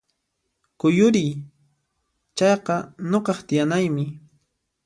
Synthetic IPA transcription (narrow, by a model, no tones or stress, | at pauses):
kʊjʊɾɪj | t͡ʃɑjqɑnoqɑχt̪ɪjanajmɪ